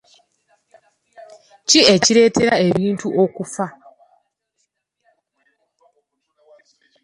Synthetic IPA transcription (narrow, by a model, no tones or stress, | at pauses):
cieciɾe̞tʰe̞ɾaeβiːntuʔokufa